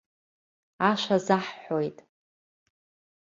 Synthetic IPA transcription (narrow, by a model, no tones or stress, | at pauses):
aʃʷazaħħojtʼ